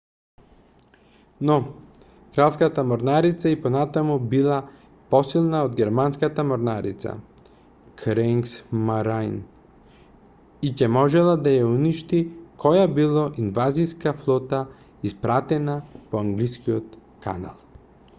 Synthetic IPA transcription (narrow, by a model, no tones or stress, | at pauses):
nɔ | kɾalˠskat̪amɔɾnaɾit̪saipɔnat̪amubilˠa | pɔsilˠnaod̪ɡʲɛɾmanskat̪amɔɾnaɾḭt̪sa̰ | kɾɛŋksmaɾajn | icɛmɔʒɛlˠad̪ajauniʃt̪ikɔjabilˠɔʔinvaziskaflˠɔt̪a | ispɾat̪ɛnapɔaŋɡliskiɔt̪ | ka̰na̰lˠ